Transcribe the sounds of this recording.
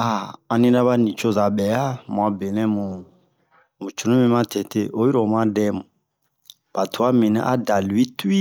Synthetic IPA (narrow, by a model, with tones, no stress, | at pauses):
a˨a˨nĩ˦ɾa˦βa˦nĩ˨t͡ʃo˦za˨ɓɛ˨˦a˦mũ˨a˨be˨nɛ˦mu˨ | mu˨t͡ʃʰu˨nũ˦mi˦ma˦tʰɛ˨tʰe˦ʔo˦i˦ɾɔ˨m˦a˦dɛ˦mu˨ | b̥a˨tʰu˨a˦mĩ˨nɛ̰˦ʔa̰˦da˨lu˨i˦tu˦i˦